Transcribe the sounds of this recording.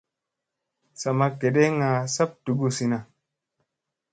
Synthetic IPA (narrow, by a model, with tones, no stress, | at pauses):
sa˨ma˧ke˨ɗe˦ŋa˨sa˦p̚tu˨ɡu˧si˧na˨